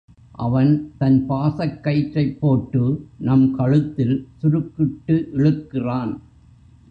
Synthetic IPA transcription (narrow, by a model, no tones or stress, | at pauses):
ʔɐʋɐnt̪ɐnpaːsɐkːɐɪʈɾɐɪpːoːʈːɯnɐmkɐɻɯt̪ːɪlsʊɾɯkːɪʈːɯʔɪɻɯkːɪraːn